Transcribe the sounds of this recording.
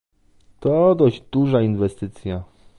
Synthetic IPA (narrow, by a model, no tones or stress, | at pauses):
t̪ɔd̪ɔʑd͡ʑd̪uʐainvɛst̪ɘt̪sʲja